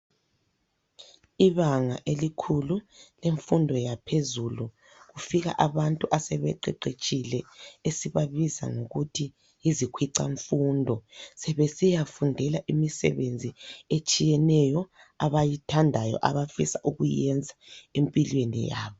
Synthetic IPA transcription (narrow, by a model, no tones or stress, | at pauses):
iβaŋaʔelikʰululeɱfundʱɔjapʰezulu | ɣufiɣa̰ʔaβantʼuʔasɛβɛ̰ǃɛ̰ǃet͡ʃʼilɛesiβaβiza̰ŋoɣutʰiː | zikʰwiǀa̰ɱfuːndʱɔsɛβɛsijafundʱɛlaʔimisɛ̰βend͡zʱiet͡ʃʼijɛnɛjɔ | aβajitʰandʱajɔ̰ʔa̰βafḭsaʔuɣujɛnd͡zʱaempʼilwenḭja̰ːβɔ